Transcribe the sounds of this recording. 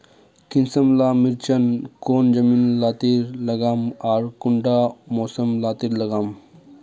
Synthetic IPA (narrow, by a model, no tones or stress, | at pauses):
kinsɐmlaːmiɾt͡ʃɐnkoːnd͡ʒɐmiːnlaːt̪iɾlɐɡaːmaːɾkuɳɖaːmoːsɐmlaːt̪iɾlɐɡaːm